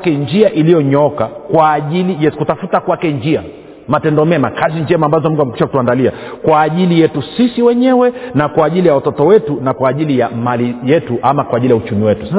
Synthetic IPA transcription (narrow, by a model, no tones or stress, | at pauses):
kɛnd͡ʒiaʔilijɔɲɔkakwaːʄilijɛkutafutakwakɛnd͡ʒia | matɛndɔmɛmakaziɲd͡ʒɛmaːmbazɔmuŋɡuamɛkiʃaku̥tuandalia̰kwaːʄilijɛtusisiwɛɲɛwɛnakwaːʄilijawatɔtɔwɛtunakwaːʄilijamalijɛtuʔamakwaːʄilijaut͡ʃumiwɛtu̥sa